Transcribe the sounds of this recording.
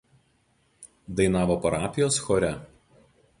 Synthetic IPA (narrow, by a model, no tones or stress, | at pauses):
d̪ɐɪnɑːʋoːpɐɾɑːpʲɪjoːsxɔɾʲɛ